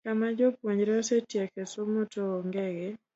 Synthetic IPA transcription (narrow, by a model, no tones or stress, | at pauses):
kamad͡ʒopwoɲɾɛɔsetjɛkesomotoːŋɡɛɡɛ